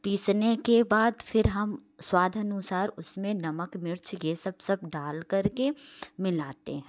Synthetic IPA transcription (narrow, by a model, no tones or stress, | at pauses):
piːsnekebaːd̪fʰɪɾɦɐmswaːd̪ʱənʊsaːɾʊsmẽnɐməkmɪɾt͡ʃʰjesɐbsɐb̚ɖaːlkɐɾkemɪlaːt̪ḛɦɛ̃ː